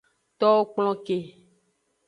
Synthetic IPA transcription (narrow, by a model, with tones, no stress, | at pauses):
t̪ɔ˦wo˦k͡plɔ̃˦ke˨